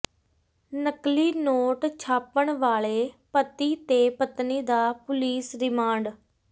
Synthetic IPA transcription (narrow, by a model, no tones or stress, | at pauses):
nəkliːnoːʈt͡ʃʰaːpəɳʋaːɭeːpət̪iːt̪eːpət̪niːd̪aːpʊliːsɾɪmãːɳɖ